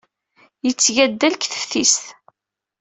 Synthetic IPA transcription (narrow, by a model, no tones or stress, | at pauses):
jət͡sːʝæd̪ːælkθə̥fθisθ